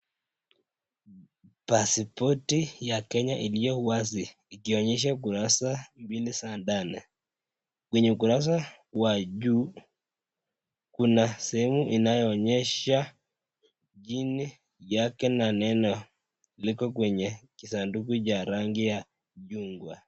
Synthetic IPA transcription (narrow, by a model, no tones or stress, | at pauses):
pasipɔtijakɛɲaʔilijɔwas̬iː | kiɔɲɛʃ̬ak̬uɾasambilisandanɛ | kwɛɲɛuk̬uɾas̬a | waʄuː | kunasɛhɛmuʔinajɔːɲɛʃa | ʄini | jakɛnanɛnɔ | likɔkwɛɲɛkisandukut͡ʃaɾaŋɡija | ʄuŋɡwa